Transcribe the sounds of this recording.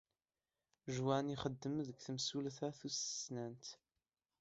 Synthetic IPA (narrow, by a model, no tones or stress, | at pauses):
ʒwæniχəd̪ːəmðəkθəmsulθæθusə̥snænt̪